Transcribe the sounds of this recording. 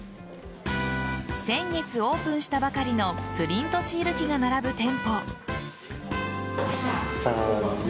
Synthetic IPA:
sẽ̞ŋɡe̞t͡sɨo̞ːpɯ̃ɰ̃ɕi̥t̪abakaɾʲino̞pɯ̟ɾʲĩnt̪o̞ɕiːɾɯ̟kʲiɡanaɾabɯ̟t̪ẽ̞mpo̞ | sa

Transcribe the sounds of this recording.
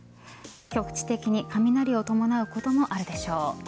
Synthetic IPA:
kʲo̞kɯ̟̥t͡ɕi̥t̪e̞kʲiɲ̟ikamʲinaɾʲio̞t̪o̞mo̞naɯ̟ko̞t̪o̞mo̞ʔaɾɯ̟d̪e̞ɕo̞ː

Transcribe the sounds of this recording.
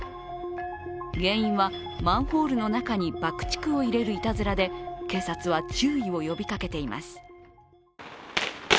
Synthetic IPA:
ɡẽ̞ɰ̃ĩɰ̃βa | mãɰ̃ho̞ːɾɯ̟no̞nakaɲ̟ibakɯ̟̥t͡ɕi̥kɯ̟o̞iɾe̞ɾɯ̟it̪azɨɾad̪e̞ke̞ːsat͡sɨβat͡ɕɨːio̞jo̞bʲikake̞t̪e̞ima̰sɨ̥

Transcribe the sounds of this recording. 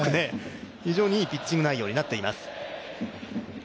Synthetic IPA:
ane̞çiʑo̞ːɲ̟ipʲit͡ɕːiɡɯnaijo̞ːɲ̟inat̪ːe̞imasɨ̥

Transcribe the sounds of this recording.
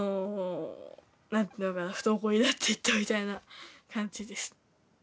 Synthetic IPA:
o | nãnt̪ʲiɯ̃ːnokanaɸɯ̟̥t̪oːkoid̪at̪ːeit̪ːomʲit̪ainakʰãɲ̟d͡ʑid̪e̞sɨ̥

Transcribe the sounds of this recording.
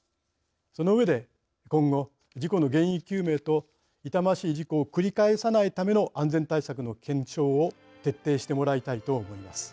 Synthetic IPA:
so̞no̞ɯ̟βe̞d̪e̞ | kõ̞ŋɡo̞ | d͡ʑiko̞no̞ɡẽ̞ɰ̃ikʲɨːme̞ːt̪o̞ | it̪amaɕiːʑiko̞ːkɯ̟ɾʲikae̞sanait̪ame̞no̞ʔãnd͡zẽ̞nt̪aisakɯ̟no̞kʰẽ̞ɲt͡ɕo̞ːo | t̪e̞t̪ːe̞ːɕi̥t̪e̞mo̞ɾait̪ait̪o̞ːmo̞imasɨ̥

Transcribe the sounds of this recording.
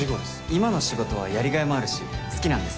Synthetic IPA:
o | imano̞ɕiɡo̞t̪o̞β̞a̰jaɾʲiɡaemo̞aɾɯ̟ɕisɨ̥kʲinãnd̪e̞sɨ̥

